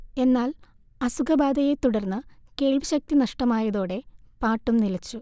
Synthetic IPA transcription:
e̞nːaːl | ɐsuɡɐbaːd̪ɐje̞t̪uɽɐrnːɨke̞ːɭʋiɕɐk̚t̪inɐʂʈɐmaːjɐðo̞ːɽe̞paːʈːumnilɐt͡ɕːu

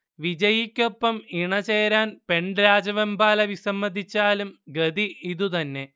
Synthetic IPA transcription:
ʋid͡ʑɐjikʲːo̞pːɐmiɳɐt͡ɕeːɾaːnpe̞ɳɖɾaːd͡ʑɐʋɐmbaːlɐʋisɐmːɐd̪it͡ɕːaːlumɡɐd̪iiðut̪ɐnːe̞

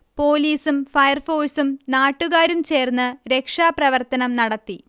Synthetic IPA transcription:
po̞ːliːsumfɐjɐrfo̞ːsumnaːʈːuɣaːɾumt͡ɕe̞ːrnːɨɾe̞kʂaːprɐʋɐrt̪ɐnɐmnɐɽɐt̪ːi

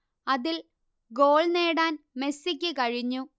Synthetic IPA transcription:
ɐðil | ɡo̞ːɭneːɽaːnme̞sikʲːɨkɐɻiɲːu

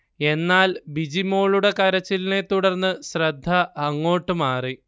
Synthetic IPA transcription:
e̞nːaːlbid͡ʑimo̞ːɭuɽe̞kɐɾɐt͡ɕːilne̞t̪ːuɽɐrnːɨɕrɐd̪ʱːɐɐŋːo̞ːʈːɨmaːri

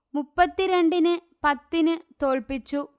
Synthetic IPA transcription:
mupːɐt̪ːiɾeɳɖinɨ | pɐt̪ːinɨt̪o̞ːɭpit͡ɕːu

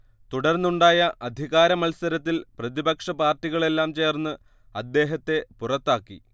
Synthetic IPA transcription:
t̪uɽɐrnːuɳɖaːjɐʔɐd̪ʱiɣaːɾɐmɐlsɐɾɐt̪̬ːilprɐðibɐkʂɐpaːrʈːiɣɐɭe̞lːaːmt͡ɕe̞ːrnːɨ | ɐd̪ːe̞ːɦɐt̪ːe̞purɐt̪ːaːkːḭ

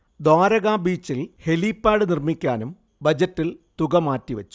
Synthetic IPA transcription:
d̪aːɾɐɣaːbiːt͡ɕːilhe̞liːpːaːɽɨnirmikʲːaːnum | bɐd͡ʑɐtːilt̪uɣɐmaːtːiʋɐt͡ɕːu̥

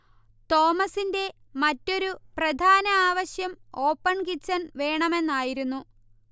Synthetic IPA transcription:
t̪o̞ːmɐsinde̞ | mɐtːo̞ɾuprɐd̪ʱaːnɐaːʋɐɕjɐmo̞ːpːɐɳkit͡ɕːɐnʋe̞ːɳɐme̞nːaːjiɾunːu

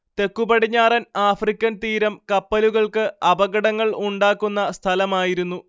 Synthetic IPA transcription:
t̪e̞kːubɐɽiɲːaːrɐnaːfrikʲːɐnt̪iːɾɐmkɐpːɐluɣɐɭkɨɐbɐɣɐɽɐŋːɐɭuɳɖaːkːunːɐst̪ʰɐlɐmaːjiɾunːu

